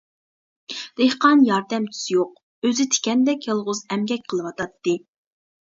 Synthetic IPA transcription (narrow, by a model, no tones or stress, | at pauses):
d̪̥ehqɑnjɑɾd̪ɛmt̪ʰy̥sjoq̚ | øzɪt̪ʰɪ̥kʲɛnd̪ɛkʲjelˠʁʊzɛmɡʲɛk̚ʲqʰəlˠɨwɑt̪ɑt̪ːɨ